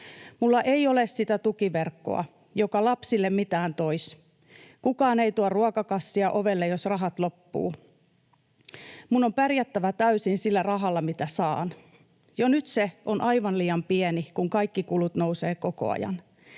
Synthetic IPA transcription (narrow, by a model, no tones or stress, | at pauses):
mulːɑʔe̞iolessit̪æt̪ukiʋerkːo̞̰ɑ̰ | jokɑlɑpsilːemmit̪æːnt̪ois | kukɑːneijt̪uɑrruɑkɑkɑsːiɑʔoʋelːejosrɑɦɑt̪lo̞pːṵː | munːompærjæt̪ːæʋæt̪æysinsilːærɑɦɑlːɑmit̪æsɑːn | jonyt̪seonʔɑiʋɑnliːɑmpiɛnikuŋkɑikːikulut̪nouseːko̞ko̞̰ɑ̰jɑ̰n